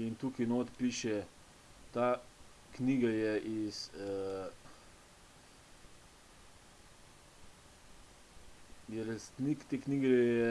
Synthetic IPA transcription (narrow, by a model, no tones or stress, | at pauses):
int̪uːkinoːt̪piʃɛ | t̪aː | kniːɡajɛʔis | jɛɾɛst̪nikt̪eːkniːɡɛjɛ